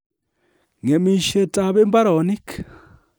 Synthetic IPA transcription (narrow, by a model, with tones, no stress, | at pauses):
ŋe˨mi˦˨ʃe˨ta˨βe˦mba˦ɾo˨ni˦k